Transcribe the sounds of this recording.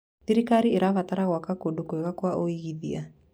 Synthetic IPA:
θiɾikaɾieɾavataɾaɣwakakodukoeɣakwaʔoiɣiðia

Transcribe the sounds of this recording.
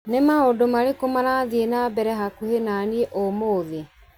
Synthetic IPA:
nemaodomaɾekomanaðienabɛɾɛɦakuhenanieʔomoːðe

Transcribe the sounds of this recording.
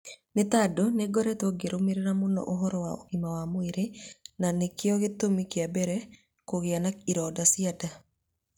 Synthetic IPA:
net̪adoneɡɔɾɛtɔɡeɾomeɾeɾamonɔ̰ʔoɦɔɾɔwao̰ɣimawamoeɾenanekɪɔɣet̪omikɪabɛɾɛ | koɣeanaiɾɔdasiada

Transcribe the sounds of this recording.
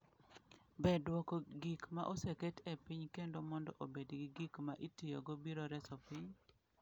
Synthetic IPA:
bɛdwɔkɔɡikmaʔoseketɛpiɲkendomɔndɔ̰ʔobedɡiɡikmaʔitijo̰ɡobiɾoɾɛsɔpiɲ

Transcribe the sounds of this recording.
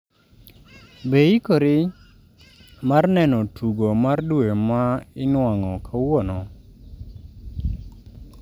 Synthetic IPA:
beikoɾɪ | marnɛnɔtʰuɡomardwemaɪnwaŋɔkʰawɔnɔ

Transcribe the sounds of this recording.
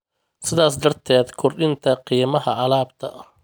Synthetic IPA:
sɪðaːsd̪ɐrt̪ʰɛːd̪kʰʊrɗɪnt̪ʰɐqiːmɐɦɐʕɑlaːbt̪ʰɐ̰

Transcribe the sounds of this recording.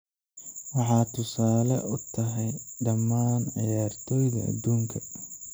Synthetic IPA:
wɑħɑːt̪ʰʊsaːlɐ̰ʔʊt̪ʰɐɦɛjɖɐmːaːnʕɑ̰jaːrt̪ʰɔːjðɐɐ̰d̪uːŋkʰɐ

